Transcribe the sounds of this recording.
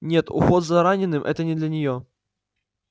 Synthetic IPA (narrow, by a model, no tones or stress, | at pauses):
nʲet̪ʊ̰xɔd̪zɐɾanʲɪnːɨmʔɛ̰t̪ənʲɪd̪lʲɐnʲɪjo